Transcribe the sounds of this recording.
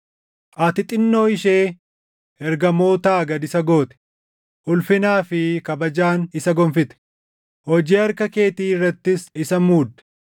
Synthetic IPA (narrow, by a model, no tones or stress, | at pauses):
ʔɐt̪ɪt̪ʼɪnːo̞ːɪʃeː | ʔɛɾɡɐmo̞ːt̪aːɡɐd̪ɪsɐɡo̞ːt̪ɛ̥ | ʔʊlfɪnaːfɪkɐbɐd͡ʒaːnɪsɐɡɔmfɪt̪ɛ̥ | hɔd͡ʒiːɐɾkɐke̞ːt̪iːɪrːɐt̪ːɪsɪsɐmuːd̪ɐ̥